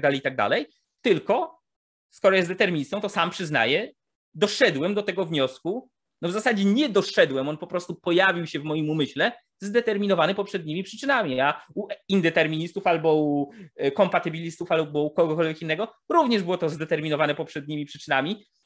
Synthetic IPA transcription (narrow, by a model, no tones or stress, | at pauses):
d̪alɛjit̪aɡ̚d̪a̰lɛj | t̪ɘlkɔ | skɔɾɔjɛst̪d̪ɛt̪ɛɾmʲiɲist̪ɔ̃w̃t̪ɔsampʂɘzna̰jɛ | d̪ɔʂɛd̪wɛmd̪ɔt̪ɛɡɔvɲɔsku | nɔvzasad͡ʑɛɲɛd̪ɔʂɛd̪wɛmɔnpɔpɾɔst̪upɔjavʲiwɕɛvmɔjimumɘɕlɛ | zd̪ɛt̪ɛɾmʲinɔvanɘpɔpʂɛd̪ɲimʲipʂɘt͡ʂɘnamʲiauʔind̪ɛt̪ɛɾmʲiɲist̪ufalbɔukɔmpat̪ɘbʲilʲist̪ufalbɔukɔɡɔkɔlvʲjekinːɛɡɔɾuvɲɛʐbɘwɔt̪ɔzd̪ɛt̪ɛɾmʲinɔvanɛpɔpʂɛd̪ɲimʲipʂɘt͡ʂɘnamʲi